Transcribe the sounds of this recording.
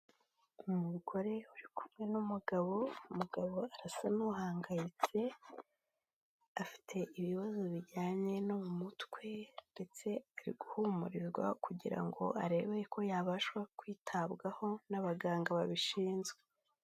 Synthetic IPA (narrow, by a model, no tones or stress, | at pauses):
umuɡo̞ɾe̞uɾikumŋe̞numuɡaβo̞umuɡaβo̞aɾasanuɦaːŋɡajit͡se̞ | afi̥tʰe̞ʔiβiβazoβiɟaːɲe̞nomumutkwe̞nde̞t͡se̞aɾḭɡuhumṵɾiɾɡwa̰kuɟiɾa̰ŋɡo̞̰ʔaɾe̞βejeko̞jaβaʃwakwiːtʰabɡaho̞naβaɡaːŋɡaβaβiʃiːnzɡe